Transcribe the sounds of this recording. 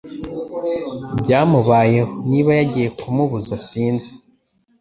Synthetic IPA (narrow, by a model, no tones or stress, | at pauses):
bɟaːmuβaːje̞honiːβajaɟije̞kʰumuβuzasiːnze̥